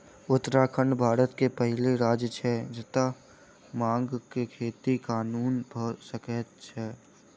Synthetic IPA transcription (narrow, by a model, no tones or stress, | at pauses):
ʊt̪ːɾaːkʰəɳɖbʱaːɾət̪kepəɦɪleɾaːd͡ʒt͡ʃʰɛd͡ʒɪt̪a | mãːŋɡkekʰeːt̪ikaːnuːnbʱosəkət̪t͡ʃʰɛː